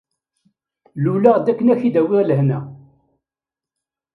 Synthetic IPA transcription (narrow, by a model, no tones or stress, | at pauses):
lulaʁd̪ækːənæçid̪æwɪʁlhnæ